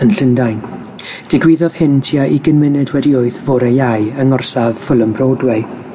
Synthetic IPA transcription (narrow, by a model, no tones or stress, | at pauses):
ənɬəndajn | d̥ɪɡwɪðɔð̥hɪntʰiaʔiɡənmɪnɨdwɛdioːɨðvoːɾɛjajəŋɔrsavfʊlˠəmbroːdwɛ